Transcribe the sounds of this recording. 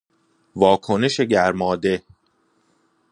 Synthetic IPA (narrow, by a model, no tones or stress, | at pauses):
vɒːkʰo̞neʃe̞ɟæɾmɒːd̪e̞